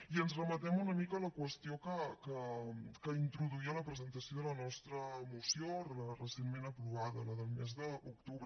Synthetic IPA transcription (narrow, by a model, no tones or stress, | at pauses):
iənzrəmət̪ɛmunəmikəːləkwəst̪iokəkəkəint̪ɾuðuiələpɾəzənt̪əsioðələnɔst̪ɾəmusijorlərəsenmenəpɾuβaðələðəlˠmezðəuk̚t̪uβ